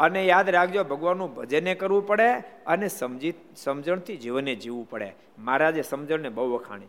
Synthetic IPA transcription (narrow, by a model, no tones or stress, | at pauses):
ənejad̪ɾakd͡ʒobʱəɡʋanũbʱəd͡ʒenekəɾʋũpəɽeənesəmd͡ʒi | səmd͡ʒəɳt̪ʰid͡ʒiʋəned͡ʒiʋũpəɽḛ | maɾad͡ʒesəmd͡ʒəɳnebəwʋəkʰa̰ɽ̃i